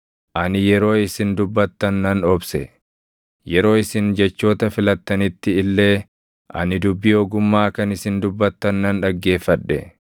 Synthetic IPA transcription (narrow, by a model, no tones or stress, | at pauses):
ʔɐnɪjɛɾo̞ːɪsɪnd̪ʊbːɐt̪ːɐnːɐnɔbsɛ | jɛɾo̞ːɪsɪnd͡ʒɛt͡ʃːo̞ːt̪ɐfɪlɐt̪ːɐnɪt̪ːɪːlːe̞ː | ʔɐ̰nɪd̪ʊbːɪjoːɡʊmːaːkɐnɪsɪnd̪ʊbːɐt̪ːɐnːɐnᶑɐɡːe̞ːfːɐᶑːɛ̰